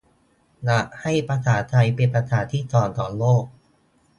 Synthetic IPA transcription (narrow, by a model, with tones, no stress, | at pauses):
la˨˩ʔha˥˩jpɾa˧sʰaː˩˦t̪ʰa˧jpe˧npɾa˧t̪ʰaː˩˦t̪ʰiː˥˩t̪ɔː˨˩nt̪ɔː˨˩loː˥˩k̚